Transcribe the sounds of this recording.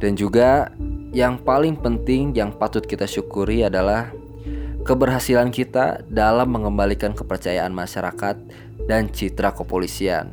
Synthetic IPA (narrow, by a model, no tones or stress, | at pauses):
d̥and͡ʒuɡajaŋpalɪŋpənt̪ɪŋjaŋpat̪ʊt̪̚kit̪aʃukuɾiadalah | kəbərɦasilankit̪a̰dalamːəŋəmbalikankəpərt͡ʃajaʔanmaʃaɾa̰kat̪̚ | dant͡ʃit̪ɾakəpolisia̰n